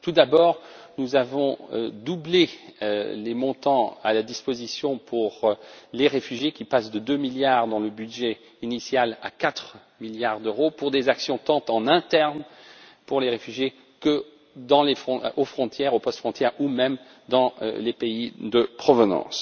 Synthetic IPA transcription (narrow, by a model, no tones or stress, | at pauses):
t̪ud̪abɔːʁnuzavɔ̰̃d̪uble | lemɔ̃t̪ɑ̃alad̪ispozisjɔ̃pʰuʁleʁefyʒjekʲipasd̪əd̪ømiljaʁd̪ɑ̃ləbydʒɛ | inisjala̰kat̪χ | miljaʁd̪øʁopuʁd̪ezaksjɔ̃t̪ɑ̃t̪ɑ̃nɛ̃t̪ɛʁnpuʁleʁefyʒje | kə | d̪ɑ̃lefχɔ̃ofχɔ̃t̪jɛʁopɔst̪fχɔ̃t̪jɛʁumɛm | d̪ɑ̰̃lepeid̪əpχɔvənɑ̰̃s